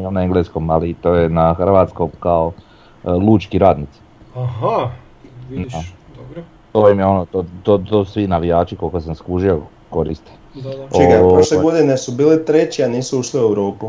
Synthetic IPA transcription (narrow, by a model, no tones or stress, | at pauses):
omnaeŋɡlesko̞malit̪oːjenaxrɾʋaːt̪sko̞mkao | lˠuːt͡ʃkiɾaːd̪nit̪si̥ | aha | na | t̪ojimjeo̞not̪ot̪ot̪osusʋinaʋijaːt͡ʃikolkosamskuʒijo | ko̞ɾḭst̪e̥ | t͡ʃoiɡapɾoʃleɡo̞d̪inesubiːlit̪ɾet͡ɕianiːsuuʃliuewɾo̞ːpu